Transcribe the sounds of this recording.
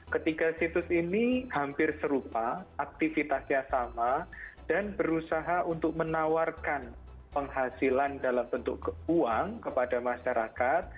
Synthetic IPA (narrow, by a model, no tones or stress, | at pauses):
kət̪ikasit̪ʊsinihampɪrsəɾupaak̚t̪ifit̪asɲasamad̥anbəɾusaɦaʔunt̪ʊk̚mənawarkan | pəŋɦasilandalambənt̪ʊkuaŋkəpadamaʃaɾʔakat̪̚